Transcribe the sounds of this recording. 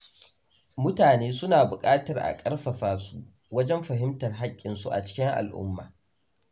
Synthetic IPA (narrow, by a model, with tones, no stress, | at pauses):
mʊ˦taː˨neː˦sʊ˦naː˨bʊ˨kʼaː˦tɐ˨rʔa̰˨kʼɐ˦rɸɐ˨ɸaː˦su˦ | wɐ˦d͡ʒɛ˦mɸɐ˨ɦɪ˦mtɐ˨rɦa˦kʲʼːɪ˨nsu˦ʔa̰˨t͡ʃɪ̥˦kʲɪ˦ŋʔa̰˨lʔʊ̰˦mːa̰ː˨